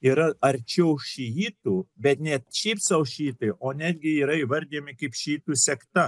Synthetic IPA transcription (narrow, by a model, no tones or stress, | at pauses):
iːɾɐɐɾʲt͡ʃʲɛʊʃʲijiːt̪uːbʲɛt̪nʲɛt̪ʃʲɛɪpsɐʊʃʲiːt̪ɐɪʔoːnʲæːd̪ʲɡʲɪiːɾɐiːʋɐɾʲd̪ʲiːmʲɪkɐɪpʃʲiiːt̪uːsʲɛkt̪ɐ